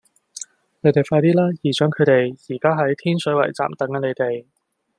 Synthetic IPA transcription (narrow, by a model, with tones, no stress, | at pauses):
ne˨˥jt̪e˨˩jfaː˧jt̪iː˥laː˥jiː˨˩t͡ʃœː˨˥ŋkʰɵ˨˧ɥt̪e˨˩jjiː˨˩kaː˥ɦɐ˨˥jt̪ʰiː˥nsɵ˨˥ɥwɐ̰˨˩jt͡sa̰ː˨˩mt̪ɐ˨˥ŋɐ˨˧˥ne˨˧jt̪e˨j